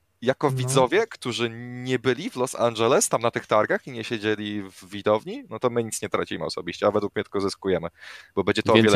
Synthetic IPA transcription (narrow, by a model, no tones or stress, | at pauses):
jakɔvʲid̪zɔvʲjɛkt̪uʐɘɲɛbɘlʲivlɔsa̰nʐɛlɛst̪amnat̪ɘxt̪aɾɡaxiɲɛɕed͡ʑelʲivːʲid̪ɔvɲinɔt̪ɔmɘɲit̪sɲɛt̪ɾat͡ɕimɘ̰ɔ̰sɔbʲiɕt͡ɕɛavɛd̪wuk̚mʲɲɛt̪kɔzɘskujɛmɘb̥ɔbɛɲd͡ʑɛt̪ɔɔvjɛ